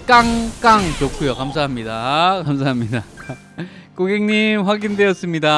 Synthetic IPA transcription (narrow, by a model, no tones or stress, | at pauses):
k͈aŋk͈aŋt͡ɕokʰujokamsʰaɦamɲidakamsʰaɦamɲida | koɡeŋɲimɸwaɡindwe̞ʌts͈ɯmɲida